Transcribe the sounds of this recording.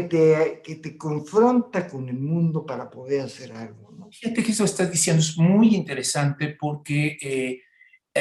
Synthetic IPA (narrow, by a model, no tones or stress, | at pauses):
t̪eket̪ekoɱfɾo̞nt̪akone̞lmũnd̪o̞paɾapo̞ðeɾaseɾalɣonofixat̪ekeest̪oest̪azðisjend̪oezmujint̪e̞ɾe̞sant̪e̞po̞ɾkee